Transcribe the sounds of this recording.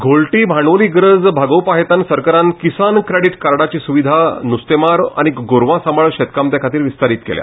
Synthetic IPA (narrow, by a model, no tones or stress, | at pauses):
ɡʱolʈibʱaɳʋoliːɡɾəd͡zbʱaɡəwpaɦet̪ansəɾkaɾãnkisankɾeɽiʈkaɾɽat͡ɕisuʋid̪ʱanust̪emaɾa̰ñiɡoɾʋãsəməɭɕet̪kamt̪jakʰat̪iːɾʋist̪aɾiːt̪kḛlja̰